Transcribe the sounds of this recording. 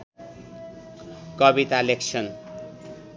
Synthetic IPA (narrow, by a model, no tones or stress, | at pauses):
kʌbit̪aleksʰʌn